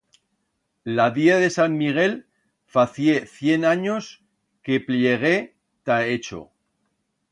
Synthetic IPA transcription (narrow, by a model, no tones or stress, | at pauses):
laðjeðe̞samːiɣ̞e̞l | faθje̞θje̞naɲo̞s | ke̞pljeɣ̞e̞ | t̪aet͡ʃo̰